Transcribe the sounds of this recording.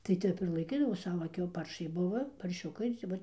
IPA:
tɐɪ ˈtʲɛp ɪr lˠɐɪˈkʲiːdɐʋoː ˈsɑːʋoː ˈkʲɛʊ ˈpɐrʃɐɪ ˈbʊʋɐ pɐrʲˈʃʲʊkɐɪ tʲɪ ˈʋɐt

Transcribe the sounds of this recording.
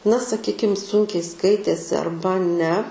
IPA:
nɐ sɐˈkʲiːkʲɪm ˈsʊŋʲkʲɛɪ ˈskɐɪtʲeːsʲɪ ɐrˈbɐ nʲɛ

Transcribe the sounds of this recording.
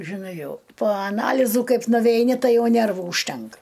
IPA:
ʒʲɪˈnɐɪ ˈjɛʊ poː ɐˈnɑːlʲiːzuː ˈkɐɪp nʊʋʲɛɪˈnʲɪ ˈtɐɪ ˈjɛʊ ˈnʲɛrʋuː ʊʃʲˈtʲɛŋkɐ

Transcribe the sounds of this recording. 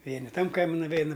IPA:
ˈʋʲiɛnʲɪ ˈtɐm ˈkɐɪmʲɪ nʊˈʋʲɛɪnɐ

